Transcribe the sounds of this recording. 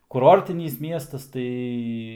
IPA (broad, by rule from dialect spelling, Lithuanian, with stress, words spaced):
kʊˈroːrʲtʲɪnʲiːs ˈmʲiɛstɐs ˈtɐɪ